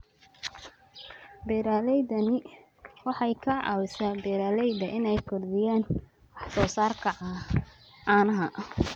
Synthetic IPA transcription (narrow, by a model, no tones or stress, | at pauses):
bɛːɾaːlɛjdɐnɪ | wɑħɑjkʰɐʕɑ̰ːwɪsaːbɛːɾaːlɛjdɐʔɪnɛjkʰɔrðɪjaːn | wɑħsɔːsaːrkʰɐʕɑ | ɑːnɐɦɐ